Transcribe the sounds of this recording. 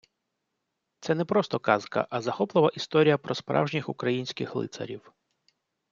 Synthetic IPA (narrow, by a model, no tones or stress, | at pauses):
t̪sɛnɛpɾɔst̪ɔkɑzkɐ̰ʔɐzɐxɔplˠɪʋɐʔist̪ɔɾʲijɐpɾɔspɾɑ̰wʒnʲixukɾɐjinʲsʲkɪxlˠɪ̰t̪sɐ̰ɾʲiw